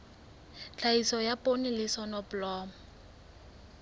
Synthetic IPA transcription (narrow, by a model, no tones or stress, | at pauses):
t͡ɬaisɔjapʼonilɪsɔnɔpʊlɔːmɔ